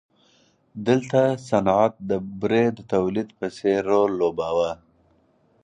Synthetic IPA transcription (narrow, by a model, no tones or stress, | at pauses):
d̪əlt̪asanʕat̪̚d̪əbɾed̪ət̪awlid̪pəseɾolːobawa